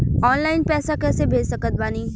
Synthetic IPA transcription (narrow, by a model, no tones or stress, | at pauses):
ɔːnlaːɪnpɛːsakɛːsebʱeːd͡ʒsɐkət̪̚baːniː